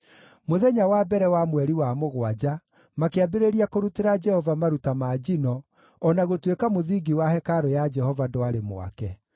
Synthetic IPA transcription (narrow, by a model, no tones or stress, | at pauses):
moðɛɲawabɛɾɛwamwɛɾiwamoɣwad͡ʑa | makeabeɾeɾiakoɾuteɾad͡ʒɛhɔvamaɾutamaːd͡ʑinɔː | naɣotwekamoðiɡiwahɛkaɾɔjad͡ʒɛhɔvadɔaɾemo̰a̰kɛ